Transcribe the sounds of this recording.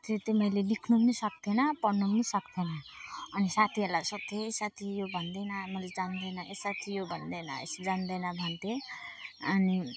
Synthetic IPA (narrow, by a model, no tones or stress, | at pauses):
t̪et̪emʌjleɖikʰnumnisʌk̚t̪ʰenʌpʌrnumnisʌkt̪ʰenʌʌnisat̪ʰiʌlasʌt̪ʰːeːsat̪ʰijobʱʌnd̪enʌmʌled͡zand̪ʌjnʌʔesat̪ʰijobʱʌnd̪enʌ̰ḛsd͡zand̪ʌjnʌbʱʌnt̪e | ʌni